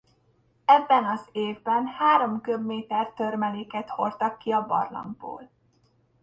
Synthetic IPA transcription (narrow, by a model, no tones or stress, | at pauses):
ɛbːɛnɒzeːvbɛnhaːɾo̞mkø̞bmeːt̪ɛrt̪ø̞rmɛleːkɛt̪ho̞rt̪ɒkːiɒbɒ̰rlɒ̰mɡ̚bo̰ːl